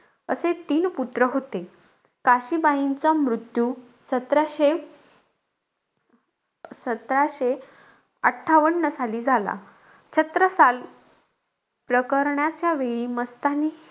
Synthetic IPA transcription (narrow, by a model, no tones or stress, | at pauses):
ə̰set̪iːnput̪ɾəɦot̪e | kaɕiːbaɦint͡sɔmɾut̪ju | sət̪ɾaɕe | sət̪ɾaɕe | əʈʰːaʋəɳːəsaliːd͡zʱala̰ | t͡ɕʰət̪ɾəsal | pɾəkəɾɳjat͡ɕjaʋeɭiːməst̪anːiː